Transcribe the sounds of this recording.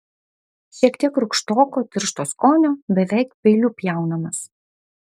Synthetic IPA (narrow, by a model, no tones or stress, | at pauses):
ʃʲiɛkt̪ʲiɛkɾʊkʃt̪oːkoːt̪ʲɪɾʃt̪oːskoːnʲoːbʲɛʋʲɛˑɪkpʲɛɪlʲʊpʲjɛˑʊnɐmɐs